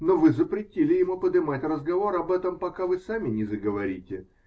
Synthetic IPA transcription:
novɨzəpɾʲɪtʲilʲɪjɪmupəd̪ɨmatʲrəzɡɐvo̞ɾɐbɛt̪əmpɐkavɨsamʲɪnʲɪzəɡəvɐɾʲitʲɪ

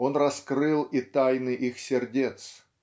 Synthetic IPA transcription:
o̞nrɐskɾɨlˠit̪ajnɨʔixsʲɪrdʲet̪s

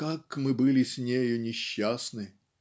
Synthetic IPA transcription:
kakmɨbɨlʲɪsʲnʲejʊnʲɪɕːasnɨ

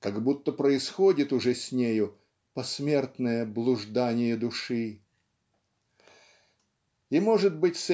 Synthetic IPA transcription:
kaɡbut̪ːəpɾəɪsxo̞dʲɪt̪ʊʐɛsʲnʲejʊ | pɐsmʲe̞rt̪nəjəblˠʊʐd̪anʲɪjəd̪ʊʂɨ | imo̞ʐɨt̪̚bɨtʲs

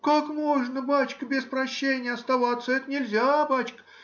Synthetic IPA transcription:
kakmo̞ʐnəbat͡ɕkəbʲɪspɾɐɕːenʲɪjəɐst̪ɐvat̪səɛt̪ənʲɪlʲzʲabat͡ɕkə̥

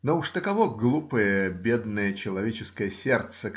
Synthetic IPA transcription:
nouʂt̪əkɐvoɡlˠupəjəbʲed̪nəjət͡ɕɪlˠɐvʲet͡ɕɪskəjəsʲert̪sə

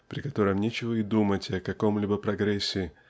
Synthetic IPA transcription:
pɾʲɪkɐt̪o̞ɾəmnʲet͡ɕɪvəɪd̪umətʲɐkɐko̞mlʲibəpɾɐɡɾɛsʲːɪ

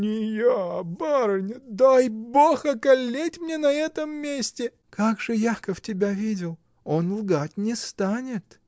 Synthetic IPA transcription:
nʲɪjabaɾənʲd̪ajboxɐkɐlʲːetʲmnʲenɐɛt̪əmːʲesʲtʲɪ | kaɡʐɨjakəftʲɪbʲavʲidʲɪlˠ | o̞nlˠɡatʲnʲɪst̪anʲɪt̪

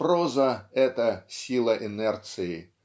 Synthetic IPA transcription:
ɾɔzɐɛt̪ɐsʲilˠɐʔɪnɛrt̪sɨji

